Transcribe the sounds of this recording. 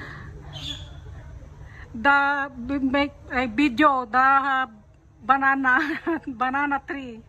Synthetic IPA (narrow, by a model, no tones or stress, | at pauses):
d̪a | majbid̪jod̪aɦa | bananabananat̪ɾi